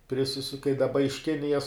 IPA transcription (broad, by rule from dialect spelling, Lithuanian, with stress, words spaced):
pʲrʲɪˈsʲɪsʊ kɐɪ dɐˈbɐ ɪʃ ˈkʲɪnʲɪjɛs